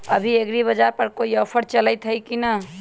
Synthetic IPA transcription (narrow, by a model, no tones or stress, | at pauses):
əbʱieɡɾiβəd͡ʒaɾpəɾkoiəpʰəɾt͡ʃələjt̪ɦəjkinə